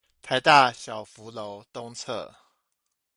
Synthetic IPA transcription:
t̪ʰa˧˥ɪt̪a˥˨ɕjɑ˨˩ʊfu˧˦lo˧˦ʊt̪ʊ˥˧ŋt͡sʰɤ̰˥˩

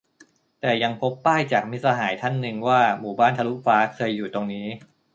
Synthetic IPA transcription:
t̪ɛː˨˩ja˧ŋpʰo˦˥pːaː˥˩jt͡ɕaː˨˩k̚mi˦˥t̪̚sa˧ɦaː˩˦jt̪ʰa˥˩nːɯ˧ŋwaː˥˩muː˨˩baː˥˩nt̪ʰa˧lu˦˥faː˦˥kʰɤː˧jːuː˨˩t̪o˧ŋniː˦˥

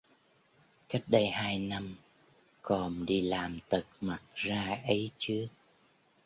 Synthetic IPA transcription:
ka˦˥jk̚ɗə˧jhaː˧jna˧m | kɔ˨˩nɗi˧laː˨˩mt̪ə˨˩t̚ma˨˩t̚zaː˧ʔə˨˦jt͡ɕɨ˦˥ək̚

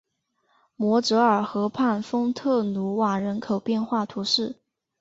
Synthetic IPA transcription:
mwɔ˧˥ʈ͡ʂɤ˧˥ə˞˨˩xɤ˧˥pʰa˥˩nfɤ˥ŋt̪ʰɤ˥˩nu˧˥wa˨˩ɻə˧˥nkʰo˨˩ʊpjɛ˥˧nxwa˥˩t̪ʰu˧˥ʂɻ̩˥˩

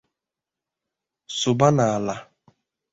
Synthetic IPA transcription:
sʊ˨ba˦na˨a˨la˨

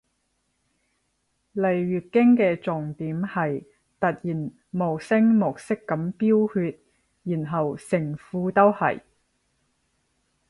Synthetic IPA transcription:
le˨˩jɥyː˨˩t̚kɪ˥ŋkɛː˧t͡sʊ˨ŋt̪iː˨˥mhɐ˨j | t̪ɐ˨t̚jiː˨˩n | mo˨˩sɪ˥ŋmʊ˨k̚sɪ˥kːɐ˨˥mpiː˥whyː˧t̚ | jiː˨˩nɦɐ˨wsɪ˨˩ŋfuː˨˥t̪o˥whɐ̰˨j

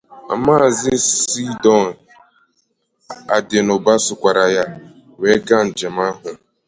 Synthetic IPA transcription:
a̰˨maː˦˨zɪ˦si˦dɔ˦n˨ | a˨de˨nʊ˨ba˦sʊ˨kʷa˨ɾa˨ja˦ | we˦ɡa˦n̩˨d͡ʒe˨m̩a˦ɦʊ˨

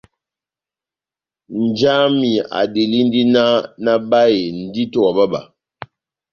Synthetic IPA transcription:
n̩˨d͡ʒa˦mi˨a̰˨de˨li˦n̩˦di˦na˦na˦ba˦e˨n̩˨di˦tɔ˦a˨ba˦ba̰˨

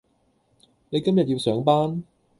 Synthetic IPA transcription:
ne˨˧jkɐ˥mjɐ˨t̚jiː˧wsœː˨˥ŋpaː˥n

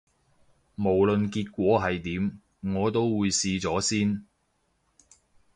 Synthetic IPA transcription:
mo˨˩wlɵ˨nkiː˧t̚kʷɔː˨˥ɦɐ˨jt̪iː˨˥m | ŋɔː˨˧t̪̬o˥wwuː˨˧jsiː˧t͡sɔː˨˥siː˥n

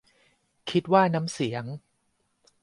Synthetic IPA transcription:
kʰi˦˥t̪̚waː˥˩na˦˥msi˩˦əŋ

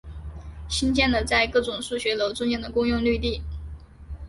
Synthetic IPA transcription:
ɕi˥nt͡ɕjɛ˥˩nd̪ə˩t͡sa˥˧ɪkɤ˥˩ʈ͡ʂʊ˨˩ŋʂu˥˩ɕɥɛ˧˥lo˧˥ʊt͡sʊ˥ŋt͡ɕjɛ˥˩nd̪ə˩kʊ˥ŋjʊ˥˧ŋly˥˧t̪i˥˩

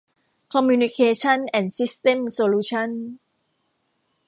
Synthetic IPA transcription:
kʰɔ˧mjuː˧ni˧kʰeː˧t͡ɕʰa˥˨nʔɛ˨˧˩nsi˦˥st̪e˥˨msoː˧luː˧t͡ɕʰa˥˩˨n

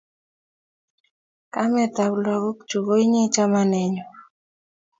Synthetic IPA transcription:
ka˦mɛ˨t̪a˨wlɔ˨ɡo˦kt͡ʃu˨ɡo˦i˦ɲi˦t͡ʃa˦ma˦nɛ˨ɲɔ˨

